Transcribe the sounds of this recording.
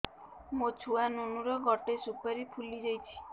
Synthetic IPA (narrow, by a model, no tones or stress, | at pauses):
mot͡ʃʰuanunuɾɔɡɔʈesupɔɾipʰulid͡ʒɔjt͡ʃʰi̥